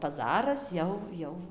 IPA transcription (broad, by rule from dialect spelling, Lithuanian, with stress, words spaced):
pɐˈzɑːrɐs ˈjɛʊ ˈjɛʊ